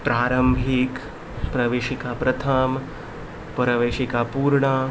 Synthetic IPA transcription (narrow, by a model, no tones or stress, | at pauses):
pɾaːɾɐmbʱik | pɾɐʋeːʃikapɾɐt̪ʰam | pɐɾɐʋeːʃikapuːɾɳɐ